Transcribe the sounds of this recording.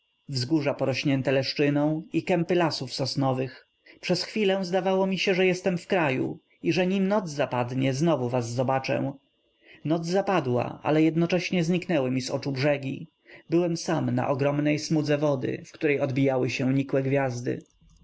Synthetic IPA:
vzɡuʐapɔɾɔɕɲɛnt̪ɛlɛʂt͡ʂɘnɔ̃w̃ikɛmpɘlasufsɔsnɔvɘx | pʂɛsxfʲilɛ̃zd̪avawɔmʲiɕɛʐɛjɛst̪ɛmfkɾajṵ | iʐɛɲimnɔd̪zzapad̪ɲɛznɔvuvazːɔbat͡ʂɛ̰w | nɔd̪zzapad̪wa̰ʔa̰lɛjɛd̪nɔt͡ʂɛɕɲɛzɲiknɛwɘmʲizɔ̰t͡ʂubʐɛɡʲḭ | bɘwɛmsamna̰ʔɔɡɾɔmnɛjsmud̪zɛvɔd̪ɘ̰fkt̪uɾɛjɔd̪bʲijawɘɕɛ̃ɲikwɛɡvʲjazd̪ɘ̰

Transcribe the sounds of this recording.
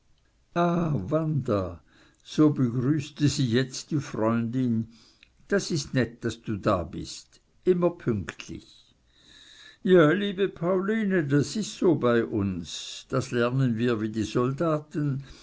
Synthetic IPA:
aːvandɐ | z̥oːbəɡʁyːstəziːjɛt͡std̥iːfʁɔʏndɪn | d̥asɪstnɛt̚d̥asd̥uːda̰ːbɪ̰st | ʔɪmɐpʰʏŋktʰlɪ̰ç | jaːliːbəpʰaʊliːnədasɪstsoːbaɪʔʊnsd̥aslɛɐnənviːɐviːdiːzɔldaːtən

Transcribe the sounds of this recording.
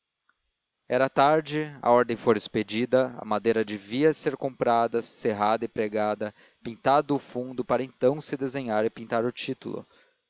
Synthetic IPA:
ɛɾɐt̪aɾd͡ʒɪɐ̰ɔɾd̪ẽj̃foɾɪsped͡ʒid̪ɐɐ̰mad̪ejɾɐd͡ʒeviɐseɾkõpɾad̪ɐseɦad̪ɐɪpɾeɡad̪ɐ | pĩt̪ad̪ʊːfũd̪ʊpaɾɐẽt̪ɐ̃w̃sɪd̪ezẽɲaɾɪpĩt̪aɾʊt͡ʃit̪ulʊ̰

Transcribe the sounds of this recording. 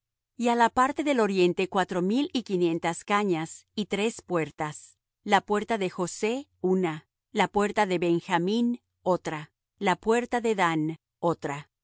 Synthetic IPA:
ialapaɾt̪e̞ðe̞lo̞ɾje̞nt̪e̞kwat̪ɾo̞milikinje̞nt̪askaɲasit̪ɾe̞spwe̞ɾt̪as | lapwe̞ɾt̪aðe̞xo̞se̞una | lapwe̞ɾt̪aðeβe̞ŋxamĩn | o̞t̪ɾa | lapwe̞ɾt̪aðe̞ðan | ot̪ɾa

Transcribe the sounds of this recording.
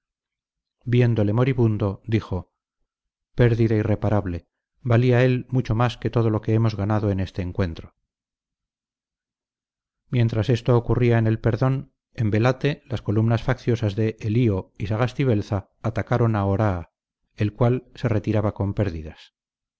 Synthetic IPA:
bje̞nd̪o̞le̞mo̞ɾiβund̪o̞d̪ixo̞ | pe̞ɾðiðaire̞paɾaβle̞ | baliae̞lmut͡ʃo̞maske̞t̪o̞ð̞olo̞keemo̞zɣanaðo̞e̞ne̞st̪eːŋkwe̞nt̪ɾo | mje̞nt̪ɾase̞st̪o̞ːkuriaene̞lpe̞ɾðo̞n | embe̞lat̪e̞lasko̞lumnasfakθjo̞sazðe̞ʔːlio̞isaɣast̪iβe̞lθaː | t̪akaɾo̞naoɾaː | e̞lkwalse̞re̞t̪iɾaβako̞mpe̞ɾðiðas

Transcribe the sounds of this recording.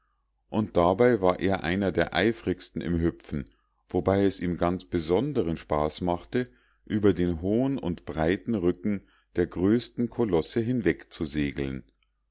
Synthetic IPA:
ʔʊnt̚d̥abaɪvaːɐʔeːɐʔa̰ɪnɐdeːɐʔa̰ɪfʁɪçstn̩ɪ̰mɦʏpfn̩ | v̥obaɪɛsʔiːmɡant͡sb̥əzɔndəʁənʃpaːsmaχtə | ʔyːbɐdeːnɦoːənʊ̰ntb̥ʁaɪtn̩ʁʏkŋ̩ | d̥eːɐɡʁøːstn̩kʰolɔsəɦɪnvɛkt͡suzeːɡl̩n

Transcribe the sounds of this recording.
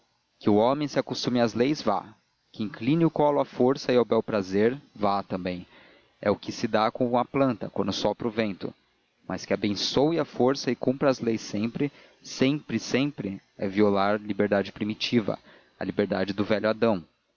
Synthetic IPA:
kɪʊõmẽj̃sɪakost̪ũmɪɐzlejzva̰ | kɪĩŋklĩnɪʊkɔlʊɐfoɾsɐɪawbɛwpɾazeɾvat̪ɐ̃mbẽj̃ | ɛ̰ʊkɪsɪd̪akõɐplɐ̃nt̪ɐkwɐ̃nd̪ʊsɔpɾʊvẽnt̪ʊ̰ | mʔɐskɪabẽsowɪɐfoɾsɐɪkũmpɾɐɐzlejsẽpɾɪ | sẽpɾɪsẽmpɾɪ | ɛviolaɾlibeɾd̪ad͡ʒɪpɾimit͡ʃivɐ̰ | ɐ̰libeɾd̪ad͡ʒɪd̪ʊvɛʎjʊad̪ɐ̃w̃

